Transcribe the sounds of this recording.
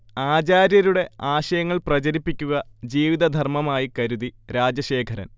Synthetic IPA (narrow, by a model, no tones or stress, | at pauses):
aːd͡ʑaːɾjɐɾuɽe̞aːɕɐjɐŋːɐɭprɐt͡ɕɐɾipːikʲːuɣɐd͡ʑiːʋiðɐd̪ʱɐrmɐmaːjikɐɾuðiɾaːd͡ʑɐɕe̞ːkʰɐɾɐ̰n